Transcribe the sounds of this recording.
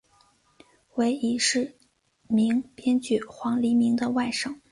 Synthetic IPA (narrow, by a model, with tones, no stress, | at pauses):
we˧˥ɪi˧˥˩ʂɻ̩˥˩ | mi˧˥ŋpjɛ˥nt͡ɕy˥˩xwɑ˧˥ŋli˧˥mi˧˥ŋd̪ə˧wa˥˩ɪʂɤ˥˩˦ŋ